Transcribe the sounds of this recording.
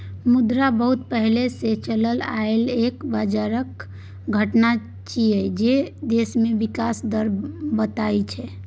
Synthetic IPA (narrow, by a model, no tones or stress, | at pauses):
mud̪ɾabəɦut̪pəɦleset͡ʃələlaelekbəd͡ʒaɾək | ɡʱəʈna | t͡ʃiəd͡ʒed̪esmebikasd̪əɾbət̪ajt͡ʃʰɛ